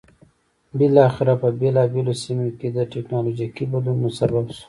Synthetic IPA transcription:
bɪlɑxɪɾapəbelɑbelosimoked̪əʈeknɑlod͡ʒikibad̪lunmʊsababʃu̥

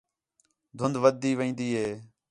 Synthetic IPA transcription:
d̪ʱʊnd̪ʋəd̪ːiːʋəĩːnd̪iːɦeː

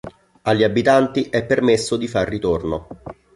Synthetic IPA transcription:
alʎːiabːit̪ant̪iʔɛpːermesːod̪ifarːit̪orno

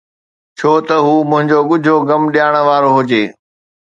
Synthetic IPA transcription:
t͡ɕʰoːt̪ɐɦuːmʊ̃ɦɪ̃ɲd͡ʑoɠʊd͡ʑʱoɡɐmɗijaːɽ̃̆ʋaːɾoɦʊd͡ʑeː

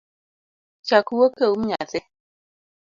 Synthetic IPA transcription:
t͡ʃakuwokəumɲat͡se

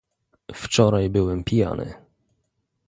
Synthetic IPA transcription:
ft͡ʂɔɾajbɘwɛmpʲija̰nɘ̰

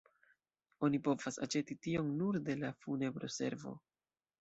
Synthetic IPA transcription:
o̞nipo̞vasa̰t͡ʃe̞titio̞nnuɾde̞lafune̞bɾo̞̰se̞̰ɾvo̞̰

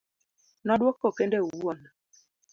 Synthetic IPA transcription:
nɔɗwokːɔkendɛuwuɔna

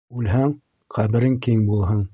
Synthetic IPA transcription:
ʉlɦæŋ | qʰæβɘ̆ɾɘŋkiŋbulˠɦɤɴ

